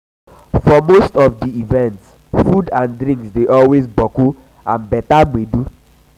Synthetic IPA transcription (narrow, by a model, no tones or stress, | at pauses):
fɔmostɔfdiivɛ̃nts | fudãndɾĩŋksdeʔɔlwezbɔko | ãnbɛtaɡ͡bedu